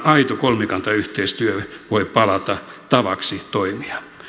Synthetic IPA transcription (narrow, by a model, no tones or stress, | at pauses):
ɑit̪okolmekɑnt̪ɑyht̪eist̪yøʋoipɑlɑt̪ɑt̪ɑʋɑksit̪oimiɑ